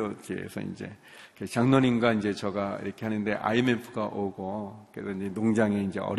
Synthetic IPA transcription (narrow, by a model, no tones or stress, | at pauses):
ʌt͡ɕiḛsʰʌ̰ḭnd͡ʑe̞̰ | kʰet͡ɕaŋnʌninɡaind͡ʑe̞t͡ɕʌɡaḭɾʌkʰe̞hanɯnde̞ʔa̰imempʰɯɡaʔoɡokesʰʌind͡ʑe̞noŋd͡ʑaŋe̞ind͡ʑe̞̰ʌ̰ɾ